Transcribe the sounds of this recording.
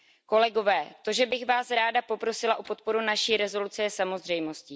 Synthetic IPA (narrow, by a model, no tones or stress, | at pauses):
ko̞lɛɡo̞vɛːt̪o̞ʒɛbɪxvaːsɾaːdapo̞pɾo̞sɪlaʔopo̞t̪̚po̞ɾunaʃiːɾɛzo̞lut͡sɛɛsamo̞zr̝ɛjmo̞scɪ